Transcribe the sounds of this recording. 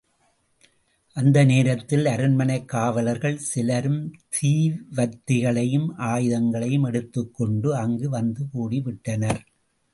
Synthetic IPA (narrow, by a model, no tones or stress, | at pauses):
ʔɐnd̪ɐneːɾɐt̪ːɪlɐɾɯnmɐnɐɪkːaːʋɐlɐɾɣɐɭsɪlɐɾɯmt̪ʰiːʋɐt̪ːɪɣɐɭɐjɯmʔaːjɪðɐŋɡɐɭɐjɯmɛɽɯt̪ːɯkːɔɳɖɯɐŋɡɯʋɐnd̪ɯkuːɽiʋɪʈːɐnɐɾ